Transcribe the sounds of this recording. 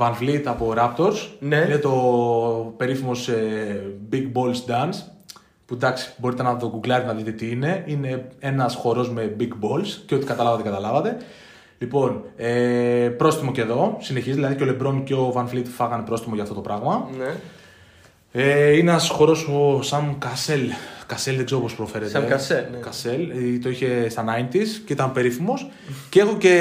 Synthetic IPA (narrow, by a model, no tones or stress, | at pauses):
vɐnflit̪ɐpo̞ɾɐpt̪o̞ɾsninet̪o̞ | pe̞ɾifimo̞sebiɡbo̞lsd̪ɐns | pud̪ɐksi̥bo̞ɾit̪e̞nɐt̪o̞ɡuɡlɐɾet̪enɐðit̪et̪iine̞ine̞e̞nɐsxo̞ɾo̞zme̞biɡbo̞lsceo̞t̪ikɐt̪ɐlɐvɐt̪ekɐt̪ɐlɐvɐt̪e̞ | lipo̞nepɾo̞st̪imo̞ce̞ðo̞sine̞çizðilɐðiceo̞le̞bɾo̞nceo̞vɐnflit̪fɐɣɐnepɾo̞st̪imo̞ʝɐft̪ot̪o̞pɾɐɣmɐn | einɐsxo̞ɾo̞sosɐnkɐse̞lkɐse̞lðeɡzeo̞po̞spɾo̞fe̞ɾet̪eskɐselt̪o̞içe̞st̪ɐnɐint̪isceit̪ɐnpe̞ɾiθimo̞s | cee̞xoce̞